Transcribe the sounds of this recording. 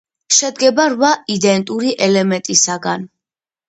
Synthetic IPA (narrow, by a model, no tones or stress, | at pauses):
ʃɛd̪ɡɛbaɾvaid̪ɛnt̪ʼuɾiʔɛlɛmɛnt̪ʼisaɡan